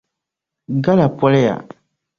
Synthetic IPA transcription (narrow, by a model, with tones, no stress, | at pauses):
ɡa˦la˨pɔ˦lɛ˦ja̰˨